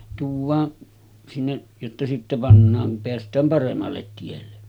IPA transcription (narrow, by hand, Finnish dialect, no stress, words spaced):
tuːʋˑɑː sinːe jotːɑ sitːe pɑnːɑːŋ kum peæstˑæːm pɑremːɑlːet tielːe